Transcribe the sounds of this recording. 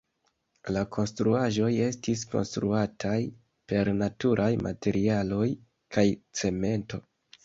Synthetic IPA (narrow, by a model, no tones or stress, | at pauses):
lakʰo̞nstɾuaʒo̞je̞stisko̞̰nstɾuatʰaj | pe̞ɾnatuɾʔajmʔa̰te̞ɾialo̞j | kajt͡se̞me̞nto̞